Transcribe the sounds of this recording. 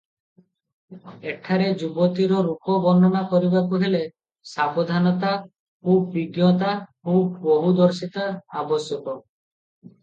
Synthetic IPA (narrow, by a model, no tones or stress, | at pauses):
eʈʰaɾed͡ʒubɔt̪iɾɔɾukɔbɔnd̪ʱɔnakɔɾibakuɦele | sabɔd̪ʱanɔt̪a | kʰupbiɡjɔt̪akupbɔɦud̪ɔɾsit̪aabɔsjɔkɔ